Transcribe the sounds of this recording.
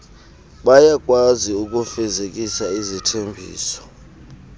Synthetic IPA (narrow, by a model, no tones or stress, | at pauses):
ɓajak̬ʼwaziuk̬ʼufɛzek̬ʼisaizitʰembʱḭːsɔ̥